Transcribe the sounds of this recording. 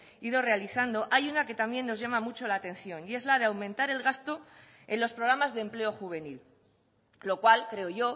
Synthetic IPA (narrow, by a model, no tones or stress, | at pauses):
iðo̞re̞aliθand̪o̞ʔajunake̞t̪amje̞nːo̞zʝamamut͡ʃo̞laːt̪ẽ̞nθjo̞nie̞zlaðeawmẽnt̪aɾe̞lɣ̞ast̪o̞ | e̞nlo̞spɾoɾamazðemple̞o̞xuβ̞e̞nil | lo̞kwalkɾe̞oʝo̞